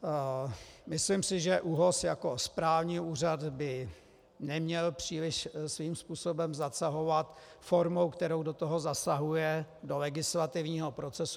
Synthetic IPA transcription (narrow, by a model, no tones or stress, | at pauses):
mɪslimsɪʒɛʔuːɦosjako̞spɾaːvɲiːuːr̝ad̪bɪ | nɛmɲɛlpr̝̥iːlɪʃsviːmspuːso̞bɛmzasaɦo̞vat̪ | fo̞ɾmowkt̪ɛɾowdot̪oɦo̞zasaɦujɛdolɛɡɪslat̪ɪvɲiːɦopɾo̞t͡sɛsu̥